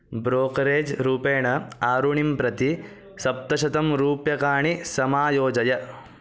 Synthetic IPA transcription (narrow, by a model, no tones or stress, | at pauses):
bɾoːkɐɾeːd͡ʒɾuːpeːɳɐaːɾuɳimpɾɐt̪i | sɐp̚t̪ɐʃɐt̪ɐmɾuːpjɐkaːɳisɐmaːjoːd͡ʒɐjɐ